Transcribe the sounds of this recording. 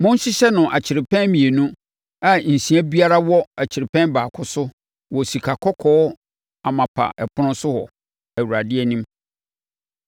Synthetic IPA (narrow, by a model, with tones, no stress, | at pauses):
mʊ̃˦n˦ɕi˦ɕɛ˦nʊ̃˨ʔa̰˨t͡ɕʰɪ˨ɾɪ˨pʰɛ̃˦nmĩ˨e˨nũ˦ | a˦n̩˨sĩ˨˦æ˦bi˦a˦ɾa˦wɔ˦a˨t͡ɕʰɪ˨ɾɪ˨pʰɛ̃˦nbaː˨kʰʊ˦sʊ˦ | wɔ˨si˨kʰa˨kʰɔ˦kʰɔː˦ | a˨mã˨pʰa̰˨ʔɛ˨pʰʊ˦ʊ̃˦sʊ˦hɔ̰˨ | æ˨wu˨ɾa˨dɪ˦ɛ˦nĩ˦m